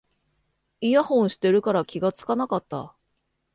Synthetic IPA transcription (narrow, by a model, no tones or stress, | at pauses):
ijahõ̞ɰ̃ɕi̥t̪e̞ɾɯ̟kaɾakʲiɡat͡sɨ̥kanakat̪ːa̰